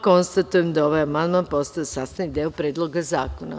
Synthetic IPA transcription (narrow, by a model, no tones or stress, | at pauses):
ko̞nst̪at̪ujemd̪ao̞ʋajamand̪manpo̞st̪ajesaːst̪anid̪eopɾe̞ːd̪lˠoɡazaːkona̰